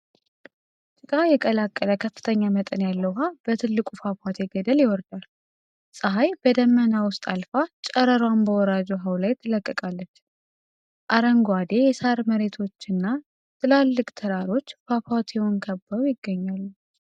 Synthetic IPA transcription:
t̪ʼɨkʼajɛkʼəlakʼːələkʰəfːɨ̥t̪ʰəɲːamət̪ʼənjalːəwɦabət̪ʰɨlːɨkʷʼufafat̪ʰeɡəd̪əljɛwɔɾd̪al | sʼəɦajb̥əd̪əmːənawʊst̪ʼalfat͡ʃʼəɾəɾwambəwɔɾad͡ʒuɦawlajt̪ʰːɨləkʼːəkʼalːət͡ʃː | ʔaɾəŋɡwad̪e̞jɛsaɾməɾe̞t̪ʰo̞t͡ʃːɨnːa | t̪ʰɨlalːɨkʼt̪ʰəɾaɾo̞t͡ʃːfafat̪ʰewonkʰəbːəɾujɪɡːəɲːalːu

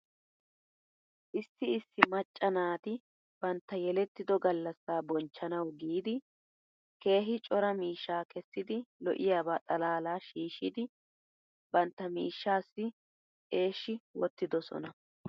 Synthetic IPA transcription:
ʔɪsːɪɪsːɪmɐt͡ʃʼːɐnaːt̪ɪ | b̥ɐnt̪ːɐjɛlɛt̪ːɪd̪ɔɡɐlːɐsːaːbɔnt͡ʃːɐnɐwɡiːd̪ɪ | ke̞ːɦɪt͡ʃʼɔɾɐmiːʃːaːkɛsːɪd̪ɪlɔ̰ʔɪjaːbaːt̪ʼɐlaːlaːʃiːʃɪd̪ɪ | bɐnt̪ːɐmḭːʃːaːsːɪ | e̞ːʃːɪwɔt̪ːɪd̪ɔsɔ̰nɐ

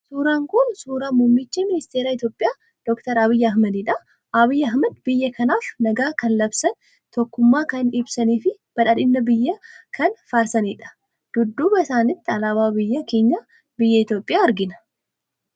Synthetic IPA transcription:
suːɾaːŋkʊnsuːɾaːmʊmːɪt͡ʃːiːmɪnɪst̪eːɾaːɪt̪joːpʼɪjaː | d̪̥ɔkt̪ɐɾɐβɪjːɐɦmɐd̪ɪᶑɐ | ɐbijːɐɦmɐd̪bɪjːɐkʰɐnaːfnɐɡaːkɐnlɐbsɐn | t̪ɔkːʊmːaːkɐnɪbsɐniːfɪ | b̥ɐᶑɐᶑɪnːɐbɪjːɐkʰɐnfaːɾsɐniːᶑɐ̥ | d̪̥ʊd̪ːuːbɐɪsaːnɪt̪ːɪɐlaːβaːbɪjːɐkeːɲːɐ | bɪjːɐɪt̪jo̞ːpʼːɪjaːɐɾɡɪnɐ̥

